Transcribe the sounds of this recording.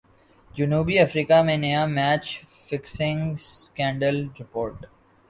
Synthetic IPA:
d͡ʒʊnuːbiɐfɾiːkamẽnejamɛːt͡ʃfɪksɪ̃ŋskɛ̃ːɳɖəlɾɪpoːɾʈ

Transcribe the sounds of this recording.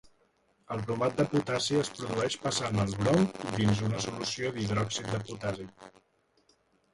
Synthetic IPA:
əlˠpɾumat̪̚d̪əput̪asiəspɾuðuɛʃpəsanəlˠβɾɔwd̪inzunəsulusioðiðɾɔksit̪̚d̪əput̪azi

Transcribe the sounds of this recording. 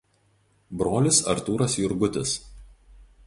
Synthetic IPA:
bɾoːlʲɪsɐɾt̪uːɾɐsjʊɾɡʊt̪ʲɪs

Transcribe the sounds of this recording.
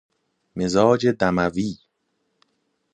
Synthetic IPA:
mezɒːd͡ʒed̪æmæviː

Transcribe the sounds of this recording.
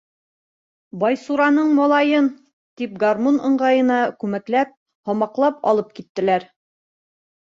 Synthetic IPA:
bɑjsuɾɑnɤɴmɒlˠɑjɤn | t̪ip̚ɡarmonɤ̆ɴɢɑjɤ̆nɑkʉmæklæp̚ | hɒmɑqlˠɑpɒ̰lˠɤp̚kit̪ːɘ̆læɾ

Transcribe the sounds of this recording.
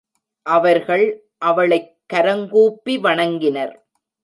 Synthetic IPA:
ʔɐʋɐɾɣɐɭ | ʔɐʋɐɭɐɪkːɐɾɐŋɡuːpːiʋɐɳɐŋɡɪnɐɾ

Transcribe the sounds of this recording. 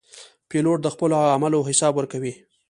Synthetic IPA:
peloʈ̚d̪əxpəloamaloɦɪsɑbwəɾkawi

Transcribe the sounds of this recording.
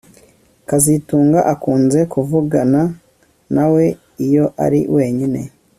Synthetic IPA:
kazituːŋɡaʔakuːnze̞kuvuɡana | nawe̞ | ijo̞ʔa̰ɾḭwʔe̞ːɲine̞̰

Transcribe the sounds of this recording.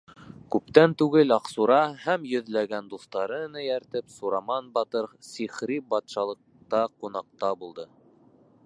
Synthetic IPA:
kʉp̚t̪ænt̪ʉɡɘlɑqsuɾɑhæmjɵ̆ðlæɡænd̪uθt̪ɑɾɤnɤjæɾt̪ɘpsuɾɑmɑnbɑt̪ɤɾsiχɾibɑt̪ʃɑlˠɤ̆q̚ | t̪ɑqunɑq̚t̪ɑbulˠd̪ɤ

